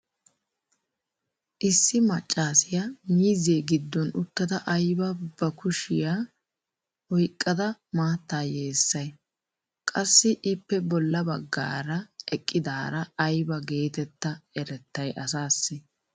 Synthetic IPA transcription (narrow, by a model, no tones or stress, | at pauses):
ʔɪsːɪmɐt͡ʃʼːaːsɪjamiːzeːɡɪd̪ːɔnʊt̪ːɐd̪ɐʔɐjbɐb̥ɐkʊʃɪjaː | hɔjkʼːɐd̪ɐmaːt̪ːaːje̞ːsːɐj | kʼɐsːɪʔɪpːɛbɔlːɐbɐɡːa̰ːɾɐɛkʼːɪd̪aːɾɐːjbɐɡe̞ːt̪ɛt̪ːɐɛɾɛt̪ːɐjʔɐsaːsːɪ